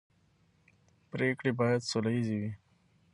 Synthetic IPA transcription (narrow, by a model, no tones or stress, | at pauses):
pɾeːkɽibaːjad̪solɐiziwi